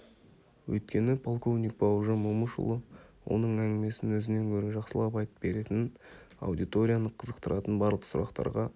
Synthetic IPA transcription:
wɵ̰jt̪̚kʲe̞nɪpʰolˠko̞vnʲijk̚pʰowʒəmumuʃṵlˠəwʔo̞̰nəɴæŋʲɡʲɪme̞sɪnwɵzɪne̞ŋkʲʰɵɾe̞ʒɑqsəlˠɑpɑjt̪ə̥p̚be̞ɾe̞t̪ɪnɑ̰wd̪ijt̪o̞ɾʲijanəqʰəzəqt̪əɾʔɑt̪ənbɑɾlˠəqsʊ̰ɾʔɑ̰qt̪ɑ̰ɾʁɑ

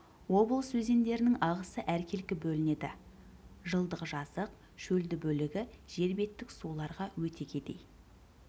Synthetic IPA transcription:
wo̞bəlˠsɵze̞nd̪e̞ɾɪnɪŋɑʁəsəʔæɾkʲʰe̞lkʲɪbɵlɪne̞d̪ɪ | ʒəlˠd̪əʁəʒɑsəq | ʃɵld̪ɪbɵlɪɡʲɪʒ̥e̞ɾbe̞t̪ːɪksulˠɑɾʁɑwɵt̪ʰe̞ɡʲe̞d̪e̞̰j

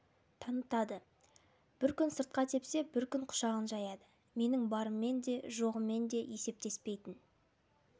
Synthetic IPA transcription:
t̪ʰɑnət̪ɑd̪ə | b̥ɪɾkʲʏnsəɾt̪̚qɑt̪ʰe̞pse̞bɪɾkʲʏŋqʰʊ̥ʃɑʁənʒɑjɑd̪ə | me̞nɪŋbɑɾəmːe̞nd̪e̞ʒo̞ʁəmːe̞nd̪e̞je̞se̞p̚t̪e̞spe̞jt̪ɪn

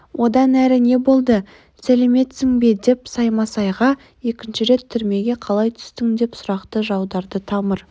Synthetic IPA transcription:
wʔo̞d̪ɑnæɾɪne̞bo̞lˠd̪ə | sæle̞me̞t̪sɪŋbed̪e̞psɑjmɑsɑjʁɑ | e̞kʲɪnʃɪɾe̞t̪ʰːʏɾme̞ɡʲe̞qʰɑlˠɑjt̪ʰʏ̥st̪ɪŋd̪e̞psʊɾɑqt̪əʒɑwd̪ɑɾd̪ət̪ʰɑməɾ

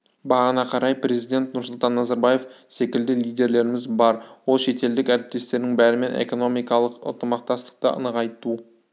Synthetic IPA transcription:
bɑʁənɑqʰɑɾɑjpɾe̞zijd̪e̞nt̪nʊɾsʊlˠt̪ɑnːɑzɑɾbɑje̞fse̞kʲɪld̪ɪlˠijd̪e̞ɾle̞ɾɪmɪzbɑɾwolˠʃe̞t̪e̞ld̪ɪkæɾɪp̚t̪e̞st̪e̞ɾd̪ɪŋbæɾɪme̞nʔḛko̞no̞mijkɑlˠəqə̰nt̪əmɑq̚t̪ɑst̪ə̥q̚t̪əʔə̰nəqɑjt̪u

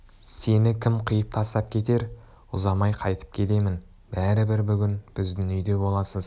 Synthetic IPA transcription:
se̞nɪkʲʰɪmqʰəjəp̚t̪ʰɑst̪ɑp̚kʲʰe̞t̪e̞ɾ | ʊzɑmɑjqʰɑjt̪ə̥p̚kʲʰe̞t̪e̞mɪn | b̥æɾɪbɪɾbʏɡʲɪnb̥ɪzd̪ʏnʏjd̪e̞bo̞lˠɑsəz

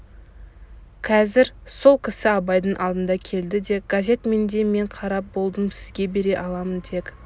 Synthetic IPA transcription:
qʰɑzɪɾso̞lˠkʲʰɪsɪɑbɑjd̪əɴʔɑlˠd̪ənd̪ɑkʲʰe̞ld̪ɪd̪e̞ɡ̥azʲe̞t̪me̞nd̪e̞me̞ɴqʰɑɾɑp̚bo̞lˠd̪əmsɪzɡʲe̞be̞ɾe̞ʔɑlˠɑmənd̪e̞k

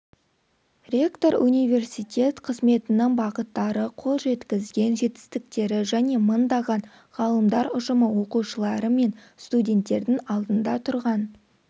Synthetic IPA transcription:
rʲe̞kt̪o̞ɾunijvʲe̞rsijt̪ʲʰe̞t̪qʰəzme̞t̪ɪnɪŋbɑqət̪ːɑɾəqʰo̞lˠʒe̞t̪kʲɪzɡʲe̞nʒe̞t̪ɪ̥st̪ɪk̚t̪e̞ɾɪʒæne̞mənd̪ɑʁɑn | ʁ̥ɑlˠəmd̪ɑɾʊʒəməwo̞quʃəlˠɑɾəme̞n | st̪udʲe̞nt̪ːe̞ɾd̪ɪŋɑlˠd̪ənd̪ɑt̪ʰʊɾʁɑn

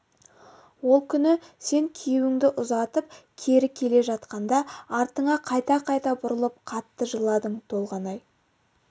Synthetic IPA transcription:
wo̞lˠkʲʰʏnɪse̞ŋkʲʰewɪŋd̪ɪʔʊzɑt̪əpkʲʰe̞ɾɪkʲʰe̞le̞ʒɑt̪qɑnd̪ɑɑɾt̪əɴɑqʰɑjt̪ɑqʰɑjt̪ɑbʊɾəlˠəp̚qʰɑt̪ːəʒəlˠɑd̪əɴt̪ʰo̞lˠʁɑnɑj

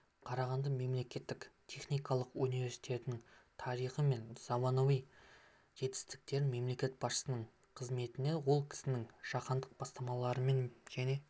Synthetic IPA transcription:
qʰɑɾɑʁɑnd̪ɑme̞mle̞kʲe̞t̪ːɪkt̪ʲʰe̞χnijkɑlˠəqunive̞ɾsi̥jt̪e̞t̪ɪnɪŋt̪ʰɑɾijχəme̞nz̥ɑmɑnovij | ʒ̥e̞t̪ɪ̥st̪ɪ̥k̚t̪e̞ɾɪme̞mle̞kʲe̞t̪̚bɑsʃə̥sənəɴ | qʰəzme̞t̪ɪne̞wo̞lˠkʲʰɪ̥sɪnɪŋʒ̥ɑqɑnd̪əq̚bɑst̪ɑmɑlˠɑɾəme̞nʒæne̞

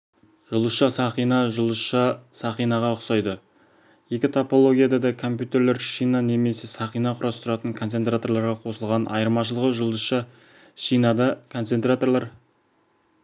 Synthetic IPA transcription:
ʒ̥ʊlˠəsʃɑsɑχijnɑʒəlˠəsʃɑsɑχijnɑʁɑʊqsɑjd̪ə | jekʲɪt̪ʰopo̞lˠo̞ɡʲijad̪ɑd̪ɑkʰo̞mpʲjut̪e̞ɾle̞ɾʃijnɑne̞me̞se̞sɑχijnɑqʰʊɾɑst̪ʊɾɑt̪əŋkʰo̞nt̪se̞nt̪ɾat̪o̞rlˠɑɾʁɑqʰo̞səlˠʁɑnʔɑ̰jəɾmɑʃ̬əlˠəʁəʒʊlˠd̪əsʃɑ | ʃijnɑd̪ɑkʰo̞nt̪sent̪rat̪o̞rlˠɑɾ

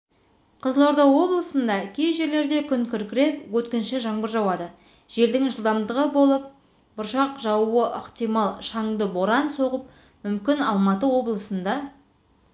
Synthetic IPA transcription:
qʰəzlˠo̞ɾd̪ɑwo̞blˠəsənd̪ɑkʲʰe̞jʒe̞ɾle̞ɾd̪e̞kʲʰʏŋkʲʰʏɾkʲɪɾe̞pwɵt̪kʲɪnʃɪʒɑɴbəɾʒɑwɑd̪ə | ʒ̥e̞ld̪ɪŋʒəlˠd̪ɑmd̪əʁəbo̞lˠəp̚ | b̥ʊɾʃɑqʒɑwuəʔə̰qt̪ijmɑlˠʃɑŋd̪əbo̞ɾɑnso̞ʁəp̚ | mʏmkʲɪnɑlˠmɑt̪əwo̞blˠəsənd̪ɑ

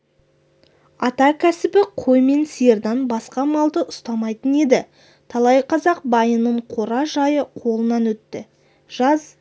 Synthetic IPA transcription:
ɑt̪ɑkʲʰæsɪbɪqʰo̞jme̞nsijɾd̪ɑnbɑsqɑmɑlˠd̪əʔʊst̪ɑmɑjt̪əne̞d̪ɪ | t̪ʰɑlˠɑjqʰɑzɑq̚bɑjənəɴqʰo̞ɾɑʒɑjəqʰo̞lˠənɑnwɵt̪ːɪ | ʒ̥ɑz

